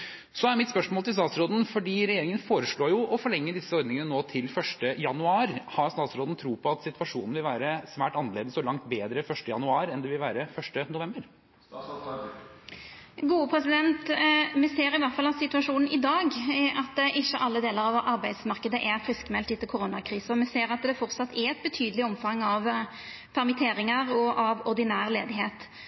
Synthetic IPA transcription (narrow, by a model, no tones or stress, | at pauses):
sɔæɾmɪt̪spœʂmoːlt̪ʰɪlst̪ɑːt̪sɾoːd̪n̩fɔɖiːɾɛjeːɾɪŋənfoːɾəʂɭoːjʊɔfɔɭɛŋːəd̪ɪsːəɔɾd̪nɪŋənənoːt̪ʰɪlfœʂʈəjɑnʉɑːɾhɑɾst̪ɑːt̪sɾoːd̪n̩t̪ʰɾuːpʰɔɑt̪sɪt̪ʰʋɑʂuːnn̩ʋɪlʋæːɾəsʋæːʈɑnəleːd̪əsɔlɑŋt̪beːd̪ɾəfœʂʈəjɑnʉɑːɾɛnd̪ɛʋɪlʋæːɾəfœʂʈənʊʋɛmbəɾ | ɡuːəpʰɾɛsɪd̪ɛnt̪mɛseːɾɪʋæʁt̪fɑlɑt̪sɪt̪ʉɑʂuːnn̩ʔɪd̪ɑːɡʔɑt̪ʔɪçːəʔɑlːəd̪eːləɾɑʋʔɑɾbæɪd̪smɑʁkəd̪əʔæɾfɾɪskmɛlt̪ɪt̪ːəlkʰʊɾoːnɑkʰɾiːsəɔmɛseːɾɑt̪d̪ɛfɔɾt̪sɑt̪ʰːɛɛt̪̚bət̪ʰyːd̪lɪɔmfɑŋːɑʋ | pʰæʁmɪt̪ʰeːɾɪŋəʁɔʔɑʋɔʁd̪ɪnæːʁleːd̪ɪɦeːt̪